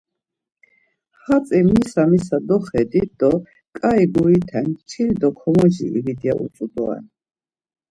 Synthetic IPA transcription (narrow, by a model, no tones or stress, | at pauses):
hat͡s̪ʼimnisamisad̪ɔχɛd̪id̪̥ɔ | kʼaiɡuit̪ʰɛnt͡ʃʰild̪ɔkʰɔmɔd͡ʒḭḭvid̪ijaʔṵsʼud̪ɔɛ̰n